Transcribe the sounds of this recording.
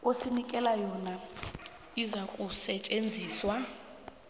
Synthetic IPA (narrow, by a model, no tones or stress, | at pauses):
osinikʼɛlajɔːna | izakʼusɛt͡ʃʼend͡zʱiːswa